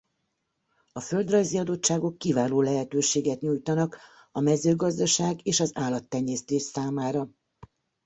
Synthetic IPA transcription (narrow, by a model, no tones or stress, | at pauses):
ɒfø̞ld̪rɒjziɒd̪o̞tt͡ʃːaːɡo̞kːivaːloːlɛɦɛt̪øːʃeːɡɛt̪ɲujt̪ɒnɒk | ɒmɛzøːɡɒzd̪ɒʃaːɡeːʃɒzaːlːɒt̪ːɛɲːɛːst̪eːʃsaːmaːɾɒ